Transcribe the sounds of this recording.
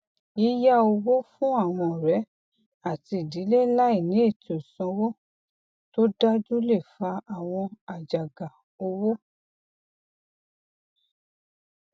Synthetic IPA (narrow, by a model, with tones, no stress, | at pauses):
i˦ja˦o˧wo˦fũ˦a˦˨w̃ɔ̃˧˨ɾɛ˨˦ | a˦˨ti˧˨di˨˦le˦la˦i˦˨nĩ˨˦e˦˨ti˨o˨sɔ̃˧wo˦ | to˦da˦d͡ʒu˦le˦˨fa˧a˦˨w̃ɔ̃˧a˨d͡ʒa˨ɡa˨ | o˧wo˦